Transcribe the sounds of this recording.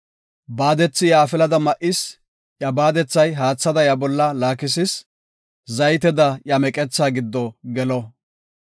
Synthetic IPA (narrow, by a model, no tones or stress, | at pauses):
baːd̪ɛt͡sːɪjaːfɪlɐd̪ɐmɐʔɪs | ʔjɐbaːd̪ɛt͡sːɐjɦaːt͡sːɐd̪ɐjɐbɔlːɐlaːkɪs̬ɪs | zɐjt̪ɛd̪ɐjɐmɛkʼɛt͡sːaːɡɪd̪ːɔɡɛlɔ